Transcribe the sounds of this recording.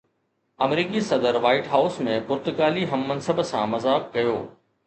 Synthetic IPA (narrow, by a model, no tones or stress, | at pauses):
ɐmɾiːkisɐd̪əɾʋaːɪʈɦaːʊsmẽpʊɾt̪ʊkaːliɦɐmːɐnsəbsãmɐzaːk̚kɐjoː